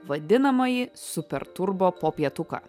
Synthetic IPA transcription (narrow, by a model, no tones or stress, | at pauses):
ʋɐd̪ʲɪnɐmɐjɪssʊpʲɛ̰ɾt̪ʊɾboːpoːpʲiɛt̪ʊka̰ː